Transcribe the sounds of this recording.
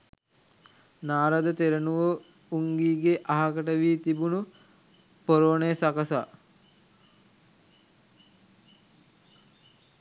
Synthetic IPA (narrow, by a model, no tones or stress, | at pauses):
naːɾad̪ət̪eɾənuʋə | uŋɡiːɡeʔaɦakəʈəʋiːt̪ibunu | poɾoːnejəsakəsa̰